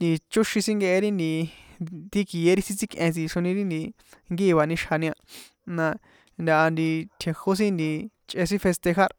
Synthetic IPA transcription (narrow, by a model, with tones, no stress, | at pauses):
ni˧t͡ʃu˦ʃĩ˧sĩ˦ŋɡe˧ʔe˧ɾi˦nd̪ĩ˧t̪i˧ki˨je˦ɾi˦sĩ˦t͡si˦kʼʔẽ˧s̬ĩ˧ʃo˧nĩ˧ɾi˦nd̪i˧ | ŋɡiː˦˧βa˨nĩ˧ʃha˧nĩ˧ã˧ | nã˧ | nd̪ʲa˧ʔa˧nd̪i˧t̪ʰe˨ho˦s̬ĩ˦nd̪i˧ | t͡ʃʼʔe˧s̬ĩ˦fe˧st̪e˧xa˦ɾ